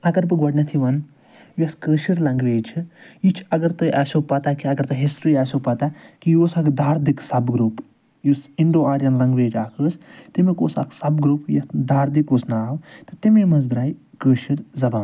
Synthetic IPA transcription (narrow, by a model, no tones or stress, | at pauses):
ɐɡɐɾpɨɡɔɖnʲɐt̪ʰiʋɐn | jjɐskəːʃiɾlɐŋɡʋeːt͡ʃʰijit͡ʃʰɐɡɐɾt̪ɐjʔɐsoːpɐt̪akiɐɡɐɾt̪ɐɦisɾiːasopɐt̪akijoːsɐkd̪aːɾd̪iksɐbɡɾuːp | jusiɳɖoːaːɾjɐnlɐŋɡʋeːd͡ʒaːkʰəːst̪imikoːsɐ̰kʰsɐbɡɾupjɐd̪aːɾd̪ikoːsnaːwt̪ɨt̪imemɐzd̪ɾaːjkəːʃiɾzɐbaːn